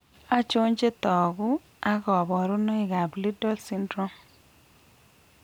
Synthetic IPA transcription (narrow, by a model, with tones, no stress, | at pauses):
a˦t͡ʃo˦ɲd͡ʒe˦t̪ɔ˨ɡʊ˦ | a˦kɔ˨bɔ˨ɾʊ˦nɔ˦ɪ˨ɡa˨bli˦dɔ˦lsi˦ndɾɔ˦m